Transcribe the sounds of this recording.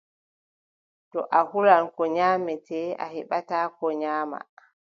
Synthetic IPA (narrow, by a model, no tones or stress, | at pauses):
tɔʔahulankɔɲaːmɛtʰɛːa̰hɛɓataːkɔɲaːma̰